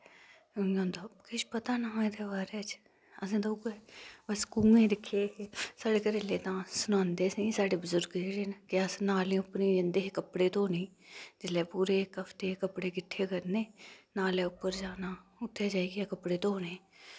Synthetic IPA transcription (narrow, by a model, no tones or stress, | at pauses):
ãːnd̪aːkɪʃpət̪aːnaed̪eːbaːɾeːt͡ʃ | əsẽːd̪ouɡeːbəskuːẽːɾɪkʰːeːsaːɖeːkəɾeːleːt̪ãːsʊnãːnd̪eːsĩːsaːɽeːbəzʊɾɡeɾeːnkɪəsnaːlĩːʊpːnĩːd͡ʒẽnd̪eːɦekəpɽeːt̪õːnẽːd͡ʒɪlɛːpuːɾeːkəfʰt̪eːkəpɽeːkɪʈʰːeːkəɾneːnaːlɛːʊpːəɾd͡ʒaːnaːʊt̪ʰːeːd͡ʒaːiɡɛːkəpɽeːt̪õːɦoneː